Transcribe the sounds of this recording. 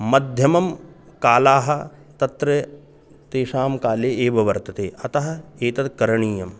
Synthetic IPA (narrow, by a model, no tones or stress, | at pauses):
mɐd̪ʱjɐmɐmkaːlaːɦɐ | t̪ɐt̪ɾɐ | t̪eːʃaːmkaːleːeːʋɐʋɐɾt̪ɐt̪eːʔɐt̪ɐɦɐ̆eːt̪ɐt̪̚kɐɾɐɳiːjɐm